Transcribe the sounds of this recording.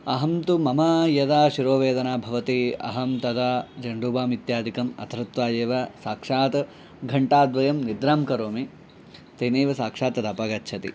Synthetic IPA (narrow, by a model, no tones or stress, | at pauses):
ɐɦɐmt̪umɐmaːjɐd̪aːʃiɾoːʋeːd̪ɐnaːbʱɐʋɐt̪iɐ̰ɦɐmt̪ɐd̪aːd͡ʒɐɳɖuːbaːmit̪jaːd̪ʱikɐmɐ̰t̪ʰɐɾɐt̪ʋaːjeːʋɐsaːkʂaːt̪ɐ | ɡʱɐɳʈaːd̪ʋɐjɐmnid̪ɾaːmkɐɾoːmi | t̪ɐneːʋɐsaːkʂaːt̪ɐd̪ɐpɐɡɐtːt͡ʃʰɐt̪ḭ